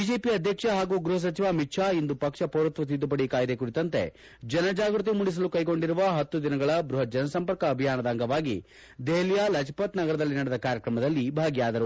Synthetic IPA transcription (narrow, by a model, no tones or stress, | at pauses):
bid͡ʒe̞ːpiɐd̪ʱjɐkʂɐɦaːɡuːɡɾuɦɐs̬ɐt͡ʃiʋamiʈʂʰaːind̪upɐkʂɐpoːɾɐt̪ʋɐt̪̬id̪ːupɐɽikaːjd̪ekuɽit̪ɐnt̪e̞̰ | d͡ʒɐnɐd͡ʒaːɡɾut̪̬imuɽis̬ɐlukɐjɡo̞ɳɖiɾuʋɐɦɐt̪ːud̪inɐɡɐɭɐbɾuɦɐd͡ʒɐnɐsɐmpɐɾkɐːbʱijaːnɐd̪aːŋɡɐʋaːɡi | d̪eɦlijalɐt͡ʃʰɐ̥pɐt̪nɐɡɐɾɐd̪ɐlːinɐɽɛd̪ɐkaːɾjɐkɾɐmɐd̪ɐlːibʱaːɡjaːd̪ɐɾu